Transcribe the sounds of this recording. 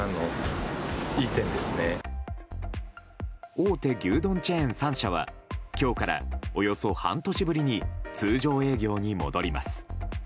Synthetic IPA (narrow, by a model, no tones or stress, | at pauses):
ano | iːt̪ẽ̞nd̪e̞sɨne | oːt̪e̞ɡʲɨːd̪õ̞ɲ̟t͡ɕeẽɰ̃sãɰ̃ɕaβ̞a̰kʲo̞ːkaɾa̰o̞jo̞so̞hã̰nt̪o̞ɕibɯ̟ɾʲiɲ̟it͡sɨːʑo̞ːe̞ːɡʲo̞ːɲ̟imo̞̰d̪o̞ɾʲima̰sɨ̥